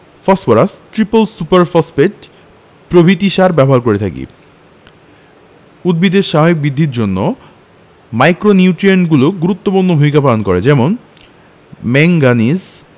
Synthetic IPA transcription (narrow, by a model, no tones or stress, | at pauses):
fɔsfoɾasʈɾipolsupaɾfɔspeʈ | pɾobʱit̪iʃaɾbɛboɦaɾkoɾet̪ʰa̰kḭ | ud̪̚bid̪eɾʃaɦaok̚bid̪ʱːiɾd͡ʑonːo | majkɾoniuʈɾenɡuloɡuɾut̪ːopuɾnobʱumikapalonkoɾḛd͡ʑɛmon | mɛŋɡaniz